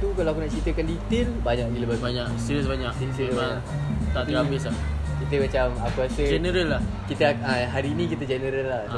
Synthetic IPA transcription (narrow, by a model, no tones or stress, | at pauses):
t̪ukalaakunaʔt͡ʃit̪əkandit̪ɪlbaɲak̚iləbabaɲaksiɾəs̬baɲaksisibaat̪at̪əabɪsa | kit̪əmãt͡ʃamakuasəd͡ʒɛnəɾəlːahkit̪əaɦaɾiːnĩkit̪əd͡ʒɛnəɾəlːa